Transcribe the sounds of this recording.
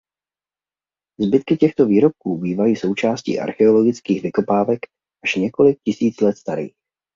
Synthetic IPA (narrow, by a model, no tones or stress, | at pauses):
zbɪt̪kɪcɛxt̪o̞viːɾo̞p̚kuːbiːvajiːso̞wt͡ʃaːscḭːʔa̰ɾxɛo̞lo̞ɡɪt͡skiːɣvɪko̞paːvɛk | ʔaʃɲɛko̞lɪk̚cɪsiːt͡slɛt̪st̪aɾḭːx